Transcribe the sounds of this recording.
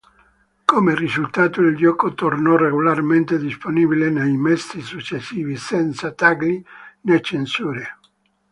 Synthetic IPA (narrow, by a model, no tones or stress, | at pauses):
komerizult̪aːt̪oild͡ʒɔkot̪ornɔreɡolarment̪ed̪isponibilenejmɛsisut͡ʃːesːiːvisɛnt̪sat̪aɡlinet͡ʃensuːɾe